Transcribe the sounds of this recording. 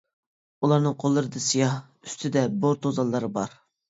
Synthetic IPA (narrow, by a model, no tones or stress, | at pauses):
ulˠɑɾnɨŋqʰolˠːɨɾɨd̪ɨsijɑh | y̥st̪ʰɪd̪ɛboɾt̪ʰozɑlˠːɨɾɨbɑɾ